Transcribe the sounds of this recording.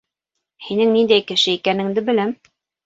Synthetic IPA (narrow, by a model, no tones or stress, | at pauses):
hinɘŋnind̪æjkɘ̆ʃɘikænɘ̆ŋd̪ɘbɘ̆læm